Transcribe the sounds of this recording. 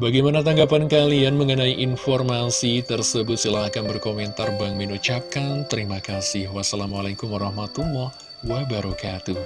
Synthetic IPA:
baɡajmanat̪̬aŋɡapankalianməŋənaiʔinfɔrmasit̪ərsəbʊt̪̚səlaɦakanbərkomɛnt̪arbaŋminut͡ʃap̚kant̪əɾimakasɪhwasalamalakumwaɾahmat̪ulːɔh | wabaɾɔkat̪u

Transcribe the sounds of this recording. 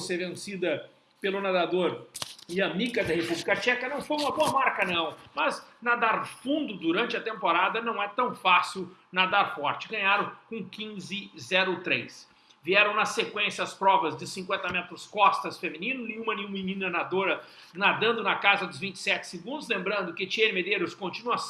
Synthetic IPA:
osevẽsid̪ɐ | pelʊnad̪ad̪oɾɪɐmikɐd̪ɐhepublikɐt͡ʃɛkɐnɐ̃w̃fojumɐboɐmaɾkɐnɐ̃w̃mɐznad̪aɾfũnd̪ʊd̪uɾɐ̃nt͡ʃɪɐt̪ẽmpoɾad̪ɐnɐ̃w̃ɛt̪ɐ̃w̃fasiwnad̪aɾfɔɾt͡ʃɪ̥ɡɐ̃ɲaɾʊ̃wkõkĩzɪzɛɾʊt̪ɾejs | viɛɾɐ̃w̃nɐsekwẽsiɐspɾɔvɐzd͡ʒɪsĩŋkwẽnt̪ɐmɛt̪ɾʊskɔst̪ɐsfemĩnĩnʊnẽɲ̃ũmɐnẽɲ̃ũmĩnĩnɐnad̪oɾɐ | nad̪ɐ̃nd̪ʊnɐkazɐd̪ʊzvĩnt͡ʃɪ̥sɛt͡ʃɪ̥seɡũnd̪ʊzlẽmbɾɐ̃nd̪ʊkɪt͡ʃieɾmed̪eɾʊskõnt͡ʃinuɐ

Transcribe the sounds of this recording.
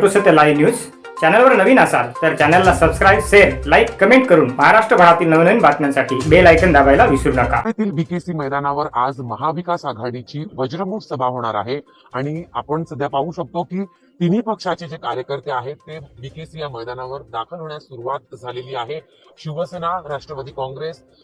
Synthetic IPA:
ʈusət̪əlajʋnjuːd͡z | t͡ɕænəlʋəɾnəʋiːnəsa̰lt̪əɾt͡ɕanəlːasəbskɾajbɕeɾlajkːəmeɳʈ̚kəɾuːnməɦaɾaʂʈɾəbʱəɽat̪iːlnəʋnəʋiːnbat̪mjansaʈʰiːbelajkənd̪aʋajlaʋisɾuɽakaet̪iːlbikesiːməjd̪anaʋəɾad͡zməɦaʋikasaɡʱaɽit͡ɕiːʋəd͡ʑɾəmuksəbʱaɦoɽ̃aɾa̰ɦe | aɽ̃iapəɳsəd̪ʱjapaʋũːɕək̚t̪okiː | t̪iniːpəkʂat͡ɕed͡ʑekaɾjəkəɾt̪eaɦet̪ːebikesijaməjd̪anaʋəɾd̪akʰəlɦoɳjasuɾuʋat̪̚d͡zʱaleliːaɦe | ɕiʋəsenaɾaʂʈɾəʋəd̪iːkɔ̃ŋɡɾes

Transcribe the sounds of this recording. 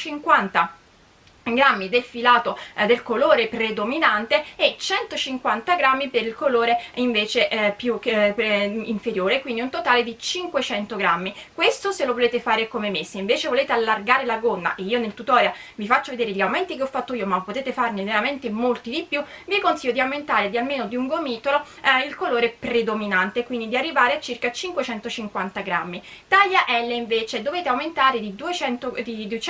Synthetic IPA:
t͡ʃiŋkwant̪a | ɡɾamːid̪elfilaːt̪od̪elkoloːɾepɾed̪ominant̪eɛt͡ʃɛnt̪ot͡ʃiŋkwant̪aɡɾamːipeɾilkoloːɾeiɱveːt͡ʃeʔpjupiɱfeɾjoːɾekwind̪iunt̪ot̪aːled̪it͡ʃiŋkwet͡ʃɛnt̪oɡɾamːikwest̪oselovoleːt̪efaːɾekomemesːeiɱveːt͡ʃevoleːt̪ealːarɡaːɾelaɡonːa̰ʔeiːonelt̪ut̪ɔːɾeavifat͡ʃːoved̪eːɾeʎːiawmɛnt̪ikeɔfːat̪ːoiːomapːot̪eːt̪efarneveɾament̪emolt̪id̪ipːju | viakonsiʎːod̪iawment̪aːɾed̪ialmeːnod̪iuŋɡomiːt̪olo | ilkoloːɾepɾed̪ominant̪ekwind̪id̪iarːivaːɾeat͡ʃːirkat͡ʃiŋkwet͡ʃɛnt̪ot͡ʃiŋkwant̪aɡɾamːit̪aʎːaʔɛlːeiɱveːt͡ʃed̪oveːt̪eawment̪aːɾed̪id̪uet͡ʃɛnt̪od̪id̪uet͡ʃ

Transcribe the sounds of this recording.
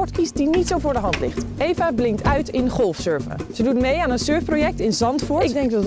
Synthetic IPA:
ɔɹtkisdinitsowvʊːɹdəɦɑntlɪ̰χtʔejvablɪŋtœɥtɪnχɔlˠfsøɹvə̰z̥ədutmejaːnənsøɹfprojɛk̚tɪnzɑntfʊɹɪɡ̚dɛŋk̚dɑt

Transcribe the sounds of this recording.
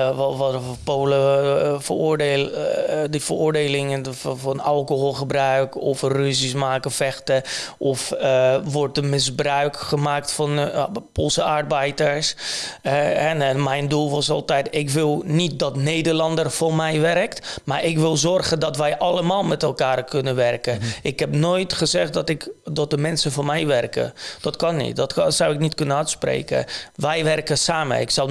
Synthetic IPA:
ʋɔpowləfərʊːɹdeːlˠdəfərʊːɹdeːlɪŋəffɔnɑlˠkoɦolˠχəbrœɥkɔfryzismaːkəfɛχtəʔɔfʋɔɹt̚dəmɪzbrœɥkχəmaːk̚tfɔnpolˠsəarbɛjdəɹsɛɛɛnmɛjndulˠʋɔsɔlˠtɛjtɪkʋɪlˠnit̚dɔtnejdəɹlɑndərfɔmɛjʋɛrktmaːɹɪkʋɪlˠzɔrχəndɔtʋɛjʔɑləmaːlˠmɛtɛlˠkaːrkʰɵnəʋɛrkəʔɪkɦɛpnoːjtχəzɛχtdtɪkdɔt̚dəmɛnsəvɔnmɛjʋɛrkə̰d̥ɔtkɑnːḭt̚dɔtsawɪknitkɵnənœtsprḛːkə̰ʋɛjʋɛrkəsaːmə̰ɪksaw

